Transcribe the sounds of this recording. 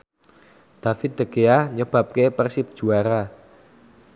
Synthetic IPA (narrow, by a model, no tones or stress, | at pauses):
d̪̥a̤fɪt̪̚d̪əɡ̥eahɲəb̥ä̤p̚kepərsip̚d̥ʒ̥uaɾa